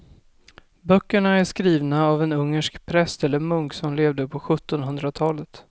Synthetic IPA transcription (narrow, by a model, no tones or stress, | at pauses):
bœkːəɳaæʂkɾiːvnaːvɛnɵŋːəʂkpʰɾɛst̪ɛlːəɾmɵŋksɔmleːvd̪əpʰɔɧɵt̪ːɔnɦɵnd̪ɾat̪ʰɑːlət̪